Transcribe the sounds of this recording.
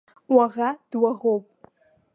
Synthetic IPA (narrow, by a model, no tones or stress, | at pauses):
waʁad̥waʁowpʼ